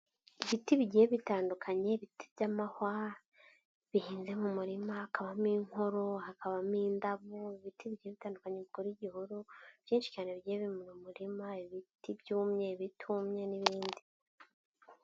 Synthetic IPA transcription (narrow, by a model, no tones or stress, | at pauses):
iβitiβiɟieβitaːndukʰaɲe̞βitibjamahwa | βihiːnze̞mumuɾimaakaβamiːŋho̞ɾo̞ɦakaβamiːndaβuiβitiβiɟieβitaːndukaɲe̞βikoɾiɟihuɾuβ̥jiːnʃi̥caːneβiɟieβimuɾumuɾimaiβitibjuːmɲe̞βitʰumɲe̞niβiːndi